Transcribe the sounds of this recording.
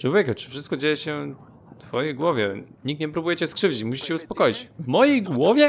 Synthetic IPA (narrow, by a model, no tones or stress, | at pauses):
t͡ʂwɔvʲjɛkat͡ʂɨ̥fʂɘst̪̚kɔd͡ʑejɛɕɛ | t̪fɔjejɡwɔvʲjɛɲik̚t̪ɲɛpɾubujɛt͡ɕɛskʂɘvd͡ʑit͡ɕmuɕi̥ɕɛuspɔkɔjit͡ɕvmɔjejɡwɔvʲjɛ